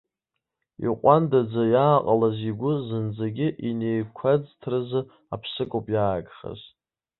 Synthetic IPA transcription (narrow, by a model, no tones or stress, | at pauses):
ḭqʷʼandad͡zajaːqʼalaziɡʷʊzɨnd͡zaɡʲɪʔinejkʷʰad͡ztʰrɨzɨ | apʰsɨkʼopʼjaːɡʼχa̰z